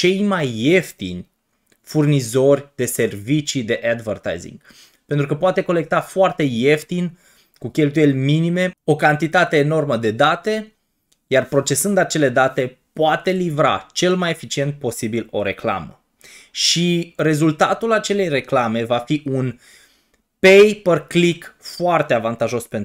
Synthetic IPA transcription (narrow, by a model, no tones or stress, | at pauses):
t͡ʃe̞jmajːe̞ft̪ḭnʲ | furnizo̞rʲd̪̥e̞se̞rvit͡ʃid̪e̞ʔad̪vert̪a̰jzḭŋɡ | pent̪ɾukəpoat̪e̞ko̞le̞k̚t̪afoart̪e̞je̞ft̪in | kukʲe̞lt̪uje̞lʲminime̞o̞kant̪it̪at̪e̞ːno̞rməd̪e̞d̪at̪e̞ | jarpɾo̞t͡ʃe̞sɨnd̪at͡ʃe̞le̞d̪at̪e̞poat̪e̞livɾa̰t͡ʃe̞lmajefit͡ʃie̞nt̪̚po̞sibilo̞ɾe̞kla̰mə̰ | ʃire̞zult̪at̪ulat͡ʃe̞le̞jre̞klame̞vafiʔun | pe̞jperklikfoart̪eavant̪aʒo̞spen